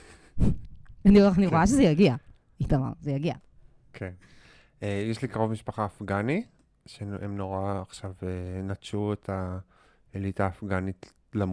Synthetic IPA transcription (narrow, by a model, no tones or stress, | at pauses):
anianiʁojaʃ̬ezejaɡia | itama̰ʁzejaɡia̰ | kʰen | ejeʃlikaʁovmiʃpaχaːfɡani | ʃeemnoʁaːχʃavenatt͡ʃuetʰa | elitaːfɡanit | lam